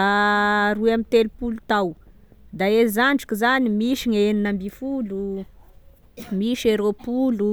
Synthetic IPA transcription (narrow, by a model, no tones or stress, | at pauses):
aɾuamit̪elupulut̪aw | d̪aezaɳɖ͡ʐikʲizanimiʃiŋeninambifulu | miʃeɾopulu